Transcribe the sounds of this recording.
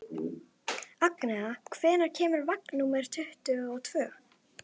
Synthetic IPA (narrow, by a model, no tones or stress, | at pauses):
aknaɣakʰv̥ɛːnaɾ̥cʰɛːmʏɾvaknumɛɾ̥t̪ʰʏht̪ʏɔɣt̪ʰv̥œː